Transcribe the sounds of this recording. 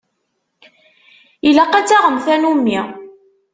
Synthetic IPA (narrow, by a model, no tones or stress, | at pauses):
ilæqæt͡sːaʁəmθænumːi